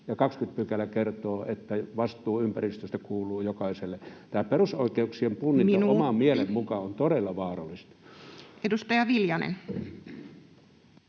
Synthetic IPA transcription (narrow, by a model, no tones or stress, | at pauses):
jɑkɑkskyt̪̚pykælækert̪oːet̪ːæʋɑst̪ˑuːympærist̪øst̪ækuːluːjokɑˑiselːet̪æːperusoˑikeuksiempunːinomɑmmielemmukɑont̪oɾelːɑʋɑːrɑlːˑist̪ɑ̥edust̪ɑjɑʋiljɑnḛn